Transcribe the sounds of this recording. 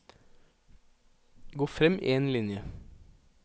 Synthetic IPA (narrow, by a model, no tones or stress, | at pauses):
ɡoːfɾɛmʔḭeːnlɪnjə